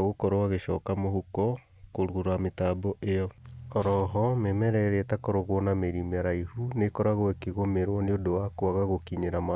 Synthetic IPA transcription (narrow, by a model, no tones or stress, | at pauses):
ɣokɔɾoaɣeʃɔːkamoɦukɔ | koɾuɣuɾametabɔʔejɔɔɾɔɦɔmemɛɾɛɾeɛtakoɾoɣwɔnameɾimaɾaihunekɔɾaɣoɛkeɣomeɾwɔneodowakwaɣaɣokiɲeɾama